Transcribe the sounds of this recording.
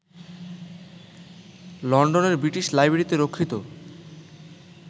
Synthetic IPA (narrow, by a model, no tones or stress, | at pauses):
lɔɳɖoneɾbɾiʈiʃlajbeɾit̪eɾokʰːɾit̪o